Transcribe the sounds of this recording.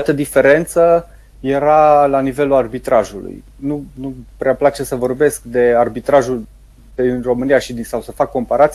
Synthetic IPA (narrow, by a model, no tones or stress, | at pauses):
t̪əd̪ife̞ɾe̞nt̪sə | je̞ɾalanive̞luarbit̪ɾaʒulṵj | nunupɾeaplat͡ʃe̞səvo̞rbe̞skd̪e̞arbit̪ɾaʒul | d̪inro̞mɨnijaʃid̪isawsəfakːo̞mpaɾat̪sʲ